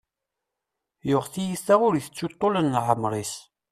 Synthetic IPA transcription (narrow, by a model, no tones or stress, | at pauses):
jʊʁθijiθæʁʊɾiθət͡sːut̪ˤːolənːʕəmɾˤis